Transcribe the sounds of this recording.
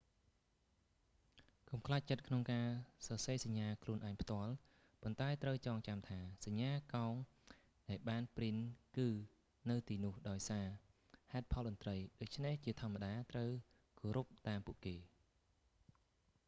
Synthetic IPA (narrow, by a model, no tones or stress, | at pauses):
kumkʰlaːc̚t͡ɕət̪̚kʰnoŋkaːsɑseːsaɲːaːkʰluənʔaɛŋpʰt̪ŏəl | pont̪aɛt̪rəwt͡ɕɑːŋt͡ɕamt̪ʰaːsaɲːaːkaɔŋ | ɗaɛlɓaːnprinkɨː | nɨwt̪iːnʊ̆əhɗaɔjsaː | haɛt̪̚pʰɑlɗɑnt̪rəjɗoːc̚t͡ɕʰneht͡ɕiət̪ʰŏəmːaɗaːt̪rəw | koːɾup̚t̪aːmpuəʔkeː